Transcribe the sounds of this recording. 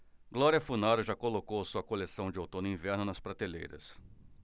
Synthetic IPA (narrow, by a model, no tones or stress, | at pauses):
ɡlɔɾiɐfunaɾʊʒakolokowɐsuɐkolesɐ̃w̃d͡ʒɪowt̪õnʊĩvɛɾnʊnɐspɾat̪elḛjɾɐ̰s